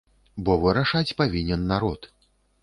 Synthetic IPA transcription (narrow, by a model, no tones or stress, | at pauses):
bɔvɨɾaʂat͡sʲpavʲinʲɛnːaɾɔt̪